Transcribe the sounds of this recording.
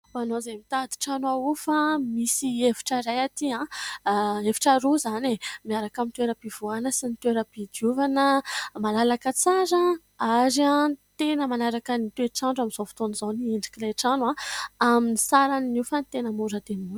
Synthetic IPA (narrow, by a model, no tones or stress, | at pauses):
manozamit̪ad̪i̥ʈ͡ʂanwaufamisievi̥ʈ͡ʂaɾajat̪iã | evi̥ʈ͡ʂaɾuzanemiaɾakamint̪weɾəpiv̥uanəsint̪weɾəpid̪juvanəmalalakət͡saɾa | aɾiãt̪enəmanaɾakənit̪ueʈ͡ʂaɳɖ͡ʐamiz̥ofi̥t̪onizanieɳɖ͡ʐi̥kilaʈ͡ʂanuãaminisaɾannufanit̪enəmuɾəd̪enimun